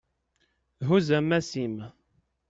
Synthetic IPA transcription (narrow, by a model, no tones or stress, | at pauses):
ɦuzæmæsim